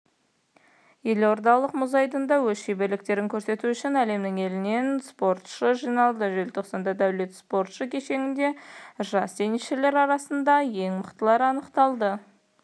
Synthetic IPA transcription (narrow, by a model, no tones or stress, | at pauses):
je̞lo̞ɾd̪ɑlˠəqmʊzɑjd̪ənd̪ɑwɵzʃejbe̞ɾlɪk̚t̪e̞ɾɪŋkʲʰɵɾse̞t̪uʏʃɪnæle̞mnɪŋe̞lɪne̞nspo̞ɾt̪ʃəʒijnɑlˠd̪əʒelt̪ʰoqsɑnd̪ɑd̪æwle̞t̪spo̞ɾt̪ʃəkʲʰe̞ʃe̞ŋʲɪnd̪e̞ʒɑst̪ʰe̞jniʃele̞ɾɑɾɑsənd̪ɑje̞ŋməqt̪əlˠɑɾɑnəqt̪ɑlˠd̪ə